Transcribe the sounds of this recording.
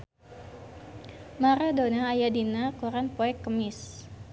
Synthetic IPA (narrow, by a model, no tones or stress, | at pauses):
maɾadonaːjadinakuɾanpoɛkːəmɪs